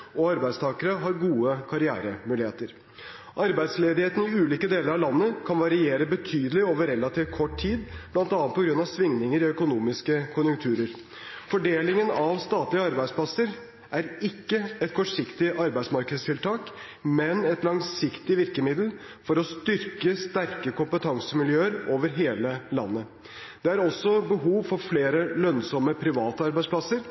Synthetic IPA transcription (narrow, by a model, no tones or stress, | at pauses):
ɔɑɾbæɪd̪st̪ʰɑːkəɾəɦɑɾɡuːəkʰɑɾɪæ̰ːɾəmʉːlɪheːt̪əɾ | ʔɑɾbæɪd̪sleːd̪ɪheːt̪ən̩ɪʉːliːkəd̪eːləɾɑʋlɑnːəkʰɑnʋɑɾɪeːɾəbət̪ʰyːd̪əlɪoːʋəɾɛlɑt̪ʰiːft̪kʰɔʈtʰiːd̪b̥lɑnt̪ɑnɑnpʰɔɡɾʉnːɑʋsʋɪŋnɪŋəɾiœkʊnuːmɪskəkʰʊnjʉŋt̪ʰʉːɾəɾ | fɔɖeːlɪŋənɑʋst̪ɑːt̪lɪəɑɾbæɪspʰlɑsəɾ | ʔæɾɪkːəɛt̪̚kʰɔʈʂɪkt̪ɪʔɑɾbæɪsmɑɾkəd̪st̪ʰɪlt̪ʰɑːk | mɛnɛt̪lɑŋsɪkt̪ɪʋɪɾkəmɪd̪l̩ | fɔɾɔst̪ʏɾkəst̪æɾkəkʰʊmpət̪ʰɑŋsəmɪljøːəɾoːʋəɾɦeːləlɑ̰nːə | d̪̥ɛæɾɔsːɔbəɦuːʋfɔɾfleːɾəlœnsɔmːəpʰɾɪʋɑːt̪əɑɾbæɪspʰlɑsəɾ